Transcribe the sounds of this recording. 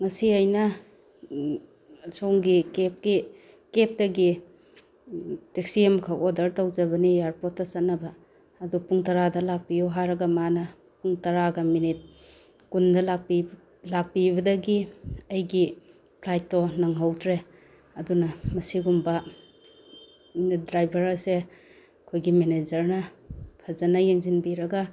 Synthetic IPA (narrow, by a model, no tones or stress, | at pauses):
ŋɐsiɐjnɐ | soŋɡikep̚ɡi | kep̚dɐɡi | tek̚siemkʰawodɐɾtawd͡ʒɐbɐnijaɾpotːɐt͡ʃɐt̚nːɐbɐː | dupuŋtɐɾadɐlak̚pijoɦaɾɐɡɐmanɐ | puŋtɐɾaɡɐminit̚ | kundɐlak̚pi | lak̚pibɐdɐɡiɐjɡi | pʰlajtːɔnɐŋɦawtʰɾe | ɐdunɐmɐsiɡumbɐ | dɾajbɐɾɐse | kʰojɡimenezɐɾnɐpʰɐzɐnɐjeŋzinbiɾɐɡa